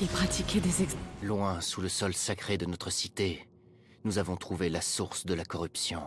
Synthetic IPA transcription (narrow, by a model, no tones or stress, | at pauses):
ilpχat̪ikʲɛd̪ezɛklwɛ̃suləsɔlsakχed̪ənɔt̪χəsit̪e | nuzavɔ̃t̪χuvelasuʁsd̪əlakɔʁypsjɔ̃